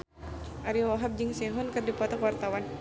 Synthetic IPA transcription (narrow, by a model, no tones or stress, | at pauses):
ʔaɾiwaɦab̚d͡ʒɨŋsɛɦɔnkɨrdipat̪ɔkwart̪awan